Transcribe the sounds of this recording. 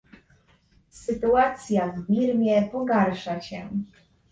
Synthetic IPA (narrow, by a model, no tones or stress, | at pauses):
sɘt̪uat̪sʲjavːʲiɾmʲjɛpɔɡaɾʂaɕɛ̰